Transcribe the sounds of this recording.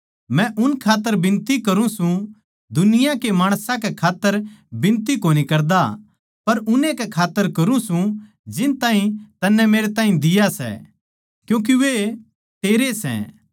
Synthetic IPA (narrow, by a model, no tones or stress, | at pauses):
mɛ̃ʔʊnkʰaːt̪ːəɾbɪ̃nt̪ikɐɾũsũ | d̪ʊnɪjãkemaːɽ̃sãkɛkʰaːt̪ːəɾbɪ̃nt̪ikoːnikɐɾd̪a | pɐɾʊnekɛkʰaːt̪ːəɾkɐɾũsũ | d͡ʒɪnt̪aːɦĩt̪ɐnːɛmeːɾet̪aːɦĩd̪ɪjasɛ̰ | kjũːk̬iʋe | t̪eːɾesɛ̰̃